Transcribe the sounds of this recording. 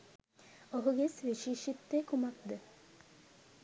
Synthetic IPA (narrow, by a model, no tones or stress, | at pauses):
oɦuɡesʋiʃiːʃit̪ːekumak̚d̪ə